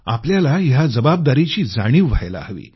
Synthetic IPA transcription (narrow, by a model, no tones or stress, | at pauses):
apljalajad͡zəbab̚d̪aɾit͡ɕiːd͡zaɽ̃iːʋːajla̰ɦʋḭː